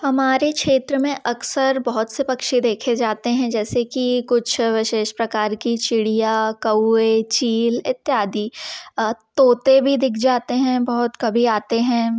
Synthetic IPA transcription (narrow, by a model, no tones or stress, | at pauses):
hɐmaːɾekʃeːt̪ɾəmẽʔɐksəɾbɐɦʊt̪sepɐkʃid̪eːkʰed͡ʒaːt̪eɦɛ̃d͡ʒɛːsekikʊt͡ʃʰʋɪʃeːʃpɾɐkaːɾkit͡ʃɪɽijakɐet͡ʃiːlɪt̪ːjaːd̪i | t̪oːt̪ebʱid̪ɪkʰd͡ʒaːt̪eɦɛ̃bɐɦʊt̪kɐbʱiaːt̪eɦɛ̃ː